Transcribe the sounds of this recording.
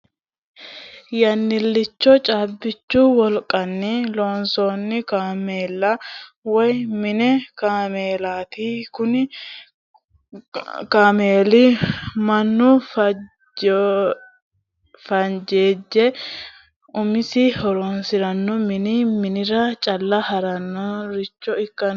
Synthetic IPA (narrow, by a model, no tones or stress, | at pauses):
jɐnːɪlːɪt͡ʃːɔt͡ʃʼaːbːɪt͡ʃːuːwɔlkʼɐnːɪloːnsoːnːɪkaːmeːlːɐwɔjmɪnɛkaːmeːlaːt̪ikʊnɪ | kaːmeːlɪmɐnːʊf | fɐnd͡ʒeːd͡ʒːɛ | ʊmɪsɪhɔɾoːnsɪɾɐnːɔmɪnimɪnɪɾɐt͡ʃʼɐlːɐhɐɾɐnːɔɾɪt͡ʃːɔɪkːɐn